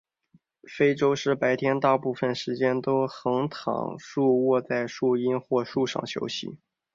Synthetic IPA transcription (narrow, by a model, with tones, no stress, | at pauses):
fe˥ɪʈ͡ʂo˥ʊʂɻ̩˥˩pa˧˥ɪt̪ʰjɛ˥nt̪a˥˧ʊpu˥˩fə˥˩nʂɻ̩˧˥t͡ɕjɛ˥nt̪o˥ʊxɤ˧˥ŋt̪ʰɑ̰˨˩ŋʂu˥˧wɔ˥˧t͡sa˥˧ɪʂu˥˩i˥nxwɔ˥˧ʂu˥˧ʂɑ̰˥˩ŋɕʰjo̰˧˥ʊɕḭ˨˩˦